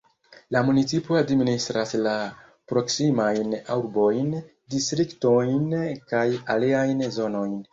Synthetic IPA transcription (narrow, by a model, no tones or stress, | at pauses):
lamunit͡sipoadministɾasla | pɾo̞ksimajnauɾbo̞jn | distɾikto̞jnkajaliajnzo̞no̞jn